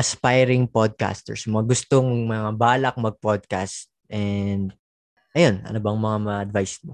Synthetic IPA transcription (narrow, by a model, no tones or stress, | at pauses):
ʔɐspajɾɪŋpod̪̚ka̰st̪ɛ̰ɹsmɐŋaɡʊst̪oŋmɐŋabaːlɐk̚mɐɡ̚pod̪̚kast̪̚ʔɛnd̪̚ | ʔɐjo̞nʔɐ̰nobɐŋmɐŋamɐʔɐd̪vajsmo